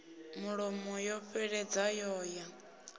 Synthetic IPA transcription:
muɺɔmɔjɔɸɛɺɛd͡zajɔːja

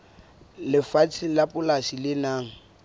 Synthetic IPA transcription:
lɪfat͡sʰʼilapʼʊlasilɪnaːŋ̩

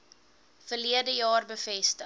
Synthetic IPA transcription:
fərliədəjɑːrbəfɛstə

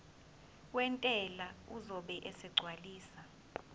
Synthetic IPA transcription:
wɛntʼɛlauzɔɓɛʔɛsɛɡ͡ǀʱwaliːsa

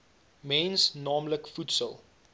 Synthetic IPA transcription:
mɛnsnɑːmləkfutsəlˠ

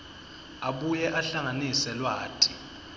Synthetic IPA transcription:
aɓujɛʔaɬaŋanisɛlwaːtʼi̥

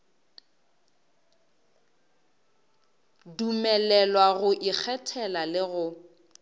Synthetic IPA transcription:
dumɛlɛlwaɣʊʔik͡xʰɛtʰɛlalɪɣʊ

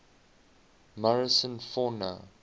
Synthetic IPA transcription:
maɹəsə̃nfɔnə̰

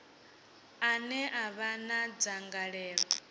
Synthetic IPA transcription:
anɛʔaβanad͡zaŋɡaɺɛːɺɔ

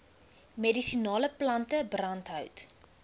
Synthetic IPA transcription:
medisinɑːləplɐntəbrɐntɦɐœwt

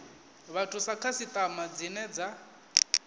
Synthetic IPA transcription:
βatʰusakʰasit̪ʼamad͡zinɛd͡za

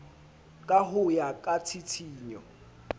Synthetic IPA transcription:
kʼaɦʊjakʼat͡sʰit͡sʰiːɲɔ̰

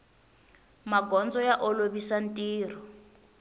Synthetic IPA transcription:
maɡɔnd͡zɔjaʔoloβisan̩tʼiːr̤ɔ

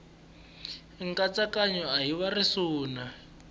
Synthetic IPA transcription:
ŋkʼat͡sakaɲɔaɦiwarisuːna

